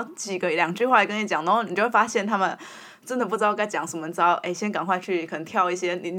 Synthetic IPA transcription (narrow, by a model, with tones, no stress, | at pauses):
t͡ɕi˨˩ɡə˧˦˥ljɑ˨˩ŋʈ͡ʂɻ̩y˥xwa˥˩k̬ə˥ni˧˥t͡ɕjɑ˨˩˦ŋna˥˧˥xni˨t͡ɕo˥˧ʊwfa˥ɕjɛ˥˩nt̪ʰa˥mə˨n | ʈ͡ʂə˥nd̪ə˨˩p̬u˥˩t͡sɑ˥ʊ˧ka˥˩ɪt͡ɕjɑ˨˩˥ŋʂə˨˩mə˧˩t͡sɑ˥ʊʔe˥˩ɪɕjɛ˥nka˨˩nxwa˥˧ɪt͡ɕʰy˥˩kʰnə˧˥ŋt̪ʰjɑ˥˧ʊi˥˩ɕjɛ˥ni˨˩n˧